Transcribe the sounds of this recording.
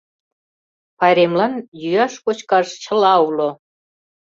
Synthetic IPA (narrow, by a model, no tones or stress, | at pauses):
pɑɾemlɑnjyjɑʃkot͡ɕkɑʃt͡ɕə̆lɑulo